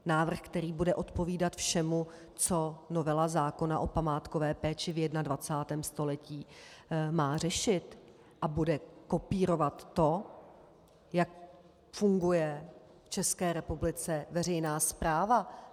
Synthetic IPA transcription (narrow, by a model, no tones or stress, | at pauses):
naːvr̩xkt̪ɛɾiːbudɛʔo̞t̪po̞viːdat̪fʃɛmu | t͡so̞no̞vɛlazaːko̞naʔopamaːt̪kovɛːpɛːt͡ʃɪvjɛdnadvat͡saːt̪ɛːmst̪o̞lɛciːmaːr̝ɛʃɪt̪ | ʔabudɛko̞piːɾo̞vat̪ːo̞ | jak | fuŋɡujɛ | ft͡ʃɛskɛːɾɛpublɪt͡sɛvɛrɛjnaːspɾaːva